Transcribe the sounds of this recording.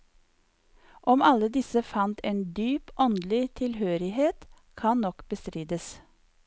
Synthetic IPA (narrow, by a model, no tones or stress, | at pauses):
ʔɔmɑləd̪ɪsəfɑnt̪eːnd̪yːpʔɔnd̪lɪt̪ʰɪlhøːɾɪheːt̪ | kʰɑnnɔkb̥əst̪ɾiːd̪əs